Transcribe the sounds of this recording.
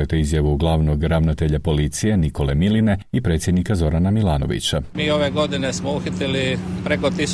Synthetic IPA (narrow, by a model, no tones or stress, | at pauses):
et̪eizjaʋuɡlˠaːʋno̞ɡɾaʋnat̪e̞ʎapo̞lit̪sije̞niko̞le̞miline̞ipɾe̞ːt̪sjed̪nikazo̞ɾanamilˠaːno̞̰ʋḭt͡ɕamiːo̞ʋeɡo̞d̪inesmouxit̪ilipɾekot̪is